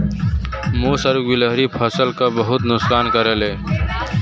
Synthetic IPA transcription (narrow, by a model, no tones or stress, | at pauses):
moːsəɾɡɪləɦɾipʰəsəlkabəɦʊt̪nʊksaːnkəɾəleː